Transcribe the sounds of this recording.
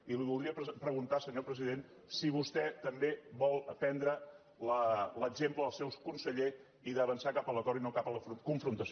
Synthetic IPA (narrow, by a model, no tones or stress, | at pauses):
iliβulˠd̪ɾiəpɾpɾəɣunt̪asəɲopɾəziðen | siβ̞ust̪ɛt̪əmbebɔlˠpɛnd̪ɾə | lələɡzempləəlˠsɛwskunsəʎe | iðəβənsakapələt̪ɔɾinokapələfɾukuɱfɾunt̪əs